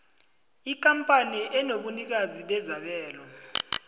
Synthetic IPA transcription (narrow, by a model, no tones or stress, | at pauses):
ik̬ʼampʼaniʔɛnoɓunik̬aziɓɛzaɓɛːlɔ